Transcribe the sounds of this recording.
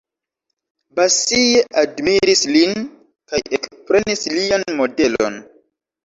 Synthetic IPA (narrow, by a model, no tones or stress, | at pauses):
basijeʔadmiɾislin | kajekpɾe̞nislianmo̞de̞lo̞̰n